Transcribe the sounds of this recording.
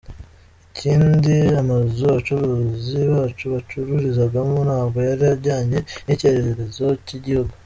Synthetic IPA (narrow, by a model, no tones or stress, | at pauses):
iciːndiamazoβat͡ʃuɾoziβaːt͡ʃuβat͡ʃuɾuɾizaɡamonhaːbɡo̞jaɾiaɾɟaːɲe̞niceɾeɾeɾezo̞ciɟihuɡu